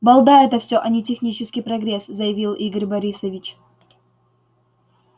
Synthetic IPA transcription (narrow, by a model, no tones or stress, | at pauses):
bɐlˠd̪aɛt̪əfsʲɵʔɐnʲɪtʲɪxnʲit͡ɕɪskʲijpɾɐɡɾʲeszəjɪvʲilˠʔiɡəɾʲbɐɾʲisəvʲit͡ɕ